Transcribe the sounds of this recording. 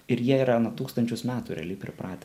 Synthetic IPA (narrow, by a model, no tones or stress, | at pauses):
ɪɾjiɛiːɾɐnuɔt̪uːkst̪ɐnʲt͡ʃʲʊsmʲæːt̪uɾʲɛ̰ɐlʲɪpʲɾʲɪpɾɑːt̪ʲe